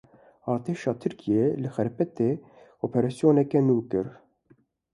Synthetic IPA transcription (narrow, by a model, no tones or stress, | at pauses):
ɑːɾt̪ʰeːʃɑːt̪ʰɨɾkʰijelɨxɛɾpɛt̪e | oːpʰɛɾɑːsjoːnɛkɛnuːkɨɾ